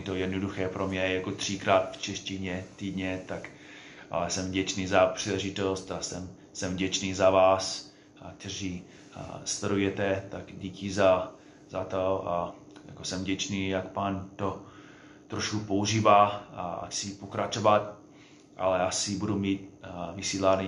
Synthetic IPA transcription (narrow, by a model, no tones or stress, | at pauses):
jɛt̪ojɛdnoduxɛːpɾomɲɛjakot̪r̝̥ikɾaːt̪ft͡ʃɛʃcɪɲɛt̪iːdɲɛt̪ak | ʔa̰ɛsɛmvɟɛt͡ʃniːzapr̥iːlɛʒɪt̪ost̪asɛm | sɛmvɟɛt͡ʃniːzavaːs | kt̪ɛr̝iː | st̪ɛɾujɛt̪ɛt̪aɡɟiːkɪza | zat̪oa | ja̰kosɛmvɟɛt͡ʃniːjakpaːnt̪o | t̪ɾoʃkupouʒiːvaːaa̰sipokɾat͡ʃovat̪ | ʔa̰lɛasɪbudumiːt̪vɪsiːlaːni